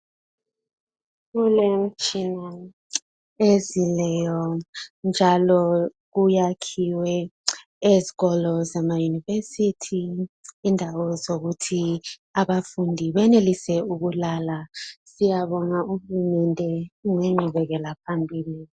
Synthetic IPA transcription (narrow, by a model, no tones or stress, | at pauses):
kulem̩t͡ʃʰʼina | ezilɛjɔnd͡ʒʱalɔ | k̬ujakʰiwɛ | eziɣɔlɔzamajunivesitʰiː | ndʱawɔzok̬utʰiaɓafundʱiɓɛnelisɛuk̬ulalasijaɓɔnauhulumɛntʼɛŋɛŋ͡ǃʱuɓɛk̬ɛlapʰambʱiːli